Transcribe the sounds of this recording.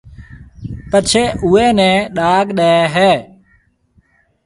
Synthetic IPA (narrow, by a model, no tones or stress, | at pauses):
pət͡ʃʰeːʔuːeːnɛ̃ːɗaːɡɗaeːɦɛː